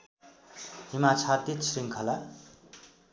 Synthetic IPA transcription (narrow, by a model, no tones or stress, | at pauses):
himat͡sʰat̪it͡sʰriŋkʰʌla